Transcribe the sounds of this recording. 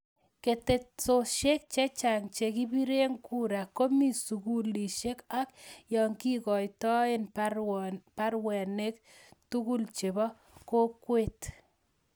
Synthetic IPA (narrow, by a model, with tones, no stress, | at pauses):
ke˨te˨tso˨ʃe˦k̚t͡ʃe˦t͡ʃa˨ŋt͡ʃe˨ki˦bi˦ɾe˦ŋku˦ɾa˨kːo˦mi˦˨su˨ku˦li˨ʃe˦ka˦k̚jɔ˨ŋki˦kɔ˨jtɔ˦en | pa˦rwɛ˨ne˦k̚ | tu˦ku˦lt͡ʃe˨bɔ˦ | ko˦kwet